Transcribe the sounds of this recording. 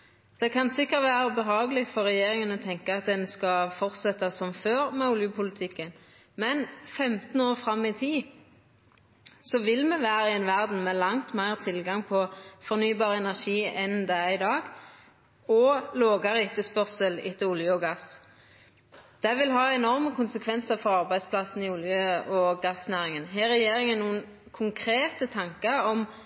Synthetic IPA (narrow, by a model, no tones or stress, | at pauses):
d̪̥ɛkʰɑnsɪkːəʁt̪ʋæːʁəbəɦɑːɡəlɪfɔʁɛjeːʁɪŋənɔt̪ʰɛŋkəɑt̪̚d̪ɛnskɑfɔʁt̪sɛt̪ːɑsɔmføːʁmɛʊljʊpʰʊlɪt̪ʰɪkːən | mɛnfɛmt̪n̩oːʁfʁɑmːɪt̪ʰiː | sɔʋɪlmɛʋæːʁəɛnʋæʁd̪n̩mɛlɑŋt̪mæɪʁt̪ʰɪlɡɑŋpʰɔfɔʁnyːbɑːʁəɛnæʁʃiːɛnd̪ɛɪd̪ɑːɡ | ɔloːɡɑʁəɪt̪əspœʁsəlɪ̰t̪ːəʊljəɔɡɑs | d̪̥ɛʋɪlɦɑːɛnɔʁməkʰʊnsəkʰʋɛnsəʁfɔʁɑʁbæɪspʰlɑsn̩ɪʊljəɔɡɑsnæːʁɪŋənɦɛːɾɛjeːɾɪŋənnuːən | kʰʊŋkʰɾeːt̪ət̪ʰɑŋkəɾɔm